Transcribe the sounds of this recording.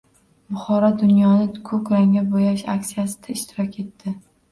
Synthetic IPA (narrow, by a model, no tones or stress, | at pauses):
bʊχɒɾɒd̪ʊnjɒnɪkʰɵkʲɾaŋʲabojaʃa̰ksijasɪ̥d̪aɪʃt̪ʰɪɾɒkʲʰe̞t̪ʰːɪ